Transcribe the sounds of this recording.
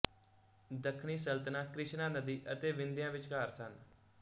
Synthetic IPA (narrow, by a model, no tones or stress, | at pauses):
d̪əkʰniːsəlt̪ənãːkɾɪʃnãːnəd̪iːʔət̪eːʋɪnd̪ɪjãːʋɪt͡ʃkaːɾsən